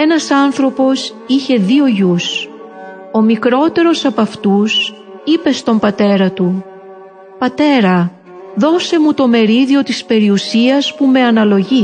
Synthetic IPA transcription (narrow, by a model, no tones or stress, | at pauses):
e̞nɐsɐnθɾo̞po̞s | içe̞ðio̞ʝus | o̞mikɾo̞t̪e̞ɾo̞sɐpɐft̪us | ipe̞st̪o̞mbɐt̪e̞ɾɐt̪u | pɐt̪e̞ɾɐ | ðo̞se̞mut̪o̞me̞ɾiðio̞t̪ispe̞ɾiusiɐspume̞ɐnɐlo̞ʝi